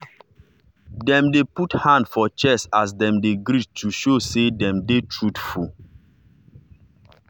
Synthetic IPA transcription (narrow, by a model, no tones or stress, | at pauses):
dɛ̃mdeputhãndfɔt͡ʃɛsas̬dɛ̃mdeɡɾit̚tʰuʃosedɛ̃mdetʰɹutfu